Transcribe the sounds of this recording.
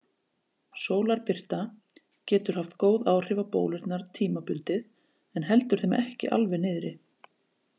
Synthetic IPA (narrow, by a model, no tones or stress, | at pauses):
soːwlaɾpɪr̥t̪a | cɛːt̪ʏɾ̥haft̪koːwðaːwr̥ɪvapo̰ːwlɪɾt̪naɾt̪ʰiːmapʏlt̪ɪð | ɛnɦɛlt̪ʏɾ̥θejm̰ʔɛhcɪ̰ʔa̰lvɛnɪːðɾɪ